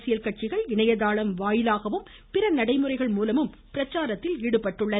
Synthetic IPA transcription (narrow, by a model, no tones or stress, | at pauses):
sɪjɐlkɐʈ̚t͡ʃɪɣɐɭɪɳɐjɐðaːɭɐmʋaːjɪlaːɣɐʋɯm | pɪrɐnɐɽɐɪmɯrɐɪɣɐɭmuːlɐmɯm | pɪɾɐt͡ʃːaːɾɐt̪ːɪliːɽɯpːɐʈːɯɭːɐ